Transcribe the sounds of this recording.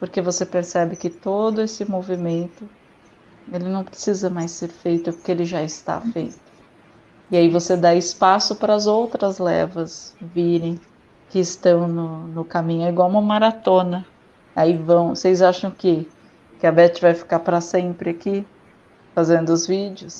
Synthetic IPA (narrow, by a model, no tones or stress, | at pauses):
poɾkevosepeɾsɛbɪkɪt̪od̪ʊesɪmovimẽnt̪ʊ | elɪnɐ̃w̃pɾɪ̥sizɐmajsːeɾfejt̪ʊpoɾkeelɪʒaɪst̪a̰fejt̪ʊ̥ | ɪaivosed̪aɪspasʊpɾɐzowt̪ɾɐzlɛ̰vɐsviɾẽj̃ | kɪːst̪ɐ̃w̃nʊnʊkamĩɲʊiɡwawumɐ̃maɾat̪õnɐ | aivɐ̃w̃sejzaʃɐ̃w̃kɪ | kɪabɛt͡ʃɪvajfi̥kaɾpɾɐsẽpɾɪaki | fazẽnd̪ʊʊzvid͡ʒʊs